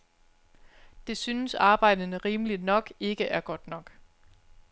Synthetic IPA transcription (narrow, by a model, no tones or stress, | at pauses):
d̥e̝synəsɑ̈ːb̥ɑ̈ɪ̰d̥ənəʁiːməlid̥nɒ̽ɡ̥e̝ɡ̥əʔæɐɡ̥ɒ̽d̥nɒ̽ɡ̥